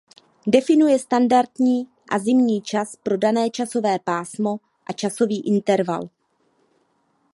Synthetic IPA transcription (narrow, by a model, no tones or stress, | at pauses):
dɛfɪnujɛst̪andaɾt̪ɲiː | ʔazɪmɲiːt͡ʃaspɾo̞danɛːt͡ʃaso̞vɛːpaːsmo̞ | ʔat͡ʃaso̞viːʔɪnt̪ɛɾva̰l